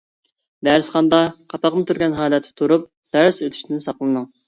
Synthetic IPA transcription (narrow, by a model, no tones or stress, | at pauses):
b̪æɾɪsχɑnd̪ɑqʰɑpɑqmɨt̪ʰuɾɡʲɛnɦɑːlˠɛt̪ʰːɪ̥t̪ʰuɾup̚ | d̪̥æɾsøt̪ʰy̥ʃt̪ɪnsɑχlˠɨnɨŋ